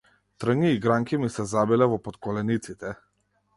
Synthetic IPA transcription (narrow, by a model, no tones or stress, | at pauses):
t̪r̩ŋiːɡɾaŋkʲimisɛzabilɛvɔpɔt̪kɔlɛnit̪sit̪ɛ